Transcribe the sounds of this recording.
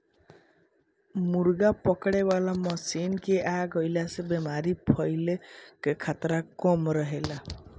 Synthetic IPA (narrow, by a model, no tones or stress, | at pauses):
muɾɡapɔkɽebalamɔsinkeʔaɡɔjlasebemaɾipʰɔjlekekʰat̪ɾakɔmɾɔɦela